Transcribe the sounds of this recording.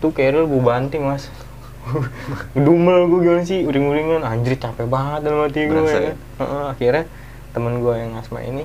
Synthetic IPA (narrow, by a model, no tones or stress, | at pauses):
t̪ukajaɾulbubant̪iŋmas | ɡəduməlɡuɡimansɪhuɾɪŋuɾiŋanaɲd͡ʒɾɪt͡ʃapɛbaɦət̪̚daləmat̪iɡuaj | əʔəakirɲa | t̪əmənɡuajaŋasma̰ḭni